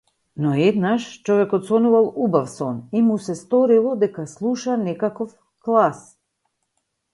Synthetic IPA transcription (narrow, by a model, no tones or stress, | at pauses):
nɔɛd̪naʃt͡ʃɔvɛkɔt̪sɔnuvalˠubafsɔnimusɛst̪ɔɾilˠɔd̪ɛkaslˠuʃanɛkakɔf | klˠas